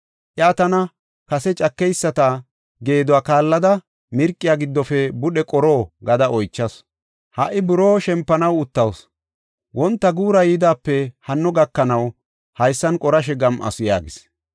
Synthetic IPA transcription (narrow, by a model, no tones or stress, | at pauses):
ʔɛːt̪ɐnɐ | kɐsɛt͡ʃʼɐkːɛjsːɐt̪ɐ | ɡe̞ːd̪ɔwaːkaːlːɐd̪ɐ | mɪɾkʼːɪjaːɡɪd̪ːɔfɛbʊɗɛkʼɔɾo̞ːɡɐd̪ɐʔɔjt͡ʃːɐs | hɐʔɪbʊɾo̞ːʃɛmpːɐnɐwʊt̪ːɐws | wʔɔnt̪ːɐɡuːɾɐjiːd̪aːpːɛhɐnːɔɡɐkːɐnɐw | hɐjsːɐnkʼɔɾɐʃ̬ɛɡɐmʔɐ̰sʊja̰ːɡɪs